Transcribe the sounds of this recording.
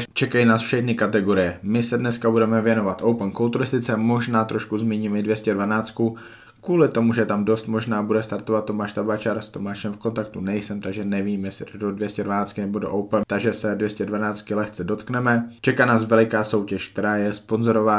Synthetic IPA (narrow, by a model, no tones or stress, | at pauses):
t͡ʃɛkajinaːsfʃɛxnɪkat̪ɛɡo̞ɾɪjɛmɪsɛdnɛskabudɛmɛvjɛno̞vat̪ʔowpnkolt̪uɾɪst̪ɪt͡sɛmo̞ʒnaːt̪ɾʔo̞ʃkuzmɛɲiːmɛdvjɛscɛdvanaːt͡sku | kuːlɪt̪o̞muʒɛt̪amdo̞st̪mo̞ʒnaːbudɛst̪aɾt̪o̞vat̪ːo̞maːʃt̪abat͡ʃaɾst̪o̞maːʃɛmfko̞nt̪ak̚t̪unɛjsɛmt̪aɡʒɛnɛviːmjɛsɪtdodvjɛscɛdvanaːt͡skɪnɛbodoʔowpnt̪aɡʒɛsɛdvjɛscɛdvanaːt͡st̪kɪlɛxt͡sɛdo̞t̪knɛmɛt͡ʃɛkanaːsvɛlɪkaːso̞wcɛʃk̚t̪ɛɾaːjɛspo̞nzo̞ɾovaː